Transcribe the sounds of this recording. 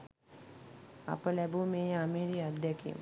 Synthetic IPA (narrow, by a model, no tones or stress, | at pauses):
a̰pəlæbumeːamiːɾiad̪ːɛkḭːmə